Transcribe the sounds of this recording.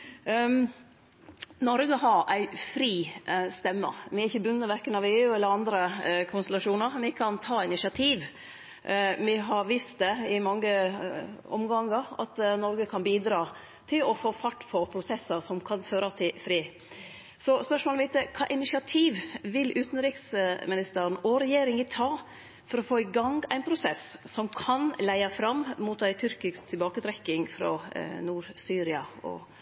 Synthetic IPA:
nɔɾɡəɦɑɾæɪfɾiːst̪ɛmːə̰ʋɪɛɾɪçːəbʉnːəʋæɾkənɑʋeːʉɛlːəɾɑnd̪ɾəkʰʊnst̪lɑʂuːnəɾʋɪkʰɑnt̪ʰɑːɪnɪʂɪɑt̪ʰiːʋ | mɪɦɑɾʋiːst̪̚d̪ɛɪmɑŋːə | ɔ̰mɡɑŋːəɾɑ̰t̪nɔɾɡəkʰɑnbiːd̪ɾɑː | t̪ʰɪlɔfoːfɑʈːpʰɔpʰɾʊsɛsːəsɔmkʰɑnføːɾɑt̪ʰɪfɾiː | sɔspœʂmoːlmɪt̪əkʰɑ̰ːʔɪnɪʃɪɑt̪ʰiːʋʋɪlʔʉːt̪n̩ɾiːksmɪnɪst̪əɾn̩ɔɾɛjeːɾɪŋət̪ʰɑː | fɔɾɔfoːɪɡɑŋɡæɪnpʰɾʊsɛssɔmkʰɑnlæɪɑfɾɑmːmʊt̪æɪt̪ʰʏɾkɪkst̪ʰɪlbɑːkət̪ʰɾɛkːɪŋfɾɔ̰nuːɾsyːɾɪɑɔ̰

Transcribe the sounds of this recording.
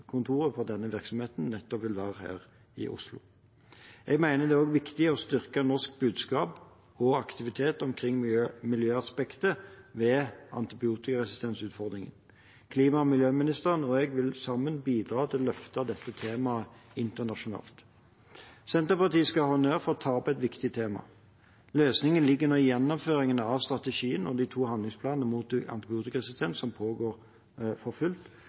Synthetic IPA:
kʰʊnt̪ʰuːɾʁəfɔʁd̪ɛnːəʋɪʁksɔmheːt̪nnɛt̪ːɔpʋɪld̪ɑːʁhæ̰ːʁ | ɪ̰ʔʊ̰slʊ̰ | ʔɛɡmæɪnəd̪ɛːoːɡʋɪkt̪ɪɔst̪ʏʁkənɔʁsk̚bʉːd̪skɑːp | ɔɑkt̪ɪʋɪt̪ʰeːt̪ɔmkʰʁɪŋːmɪljøːɑspɛkt̪əʋɛːʔɑ̰nt̪ɪbɪuːt̪ɪkɑɛsɪst̪ʰɛnsʉːt̪fɔʁd̪ʁɪŋə̰n | kʰliːmɑmɪljøːmɪnɪst̪əʁənɔɛɡʋɪlsɑmːənbiːd̪ʁɑːt̪ʰɪllœft̪ɑd̪ɛt̪ːət̪ʰeːmɑəɪnt̪əʁnɑʂʊnɑ̰ːlt̪ | sɛnt̪əʁpɑʁt̪iːskɑhɔnøːʁfoːʁt̪ʰɑːpɛt̪ʋɪkt̪ɪt̪ʰeːmɑ̰ | løːsnɪŋənlɪɡːʉnəjɛnːɔmføːʁɪŋənəɑʋst̪ʁɑt̪əʃiːənɔd̪iːt̪ʰuːhɑnd̪lɪŋspʰlɑːnnəmuːt̪̚d̪ʔɑ̰nt̪ɪbɪuːt̪ɪkɑʁɛsɪst̪ʰɛnsɔmpʰoːɡoːʁ | fɔfʉlt̪

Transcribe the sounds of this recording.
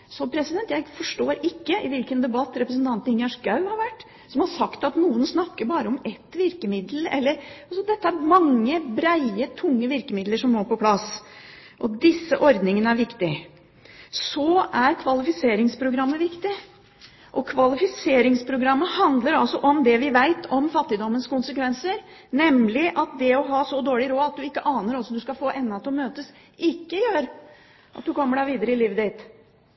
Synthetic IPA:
sɔpʰɾɛsɪd̪ɛnt̪jæɪfɔʂʈoːɾɪkːəɪʋɪlkənd̪ɛbɑt̪ːɾɛpɾəsənt̪ɑnt̪ənɪnjɑʂɡɑʉhɑɾʋæʈː | sɔmhɑɾʂɑkt̪ɑt̪nuːənsnɑkːəɾbɑːɾəɔmɛt̪ːʋɪɾkəmɪd̪lɛ̰lːəɾɑsɔd̪ɛt̪ːəæɾmɑŋːəbɾæɪət̪ʰʊŋːəʋɪɾkəmɪd̪ləʂɔmmoːpɔpʰlɑs | ʔɔd̪ɪsːəʔɔɾd̪nɪŋənəæɾʋɪkt̪ɪ | sɔæɾkʰʋɑlɪfɪseːɾɪŋspʰɾʊɡɾɑmːəʋɪkt̪ɪ | ʔɔkʰʋɑlɪfɪseːɾɪŋspʰɾʊɡɾɑmːəhɑnd̪ləɾɑlsɔʔɔmd̪ɛʋɪʋæɪt̪ʰɔmfɑt̪ːɪd̪ɔmːənskʊnsəkʰʋɛnsəɾ | nɛmlɪʔɑt̪̚d̪ɛɔɦɑːsɔd̪oːɭɪɾoːɑt̪̚d̪ʉɪkːəʔɑːnəɾɔsːɔd̪ʉskɑfoːʔɛnːɑt̪ɔmøːt̪əs | ʔɪkːəjøːɾ | ʔɑt̪̚d̪ʉkɔmːəɖæɾʋiːd̪əɾəɪliːʋəd̪ɪt̪

